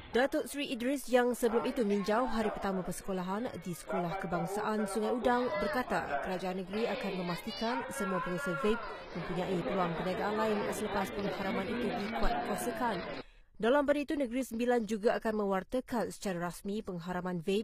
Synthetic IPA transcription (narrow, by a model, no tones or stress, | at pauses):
dat̪ʊt̪sɾiʔidɾisjaŋsəbəlumit̪umĩɲd͡ʒaʊɦɦaɾipərt̪amãpərsə̥kolaɦandisə̥kolahkəbaŋsaʔansuŋajudaŋbərkat̪a̰kəɾad͡ʒaanːəɡəɾiakanmə̃mast̪ikansəmuapəɾasavep̚mə̃mpuɲãʔipəluaŋpənaɡaʔanlaɪnsələpaspəŋhaɾamãnit̪udikuat̪̚kuasəkan | dalambadait̪unə̃ɡɾisəmbiland͡ʒuɡaakanmə̃wart̪əkansə̥t͡ʃaɾaɾasmĩpəŋɦaɾamãnvep̚